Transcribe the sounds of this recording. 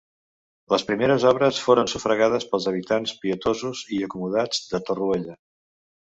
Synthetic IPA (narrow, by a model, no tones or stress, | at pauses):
ləspɾimeɾəzɔβɾəsfoɾənsufɾəɣaðəspəlˠzəβ̞it̪anspiət̪ozuziəkumuð̞ad͡zd̪ət̪urueʎə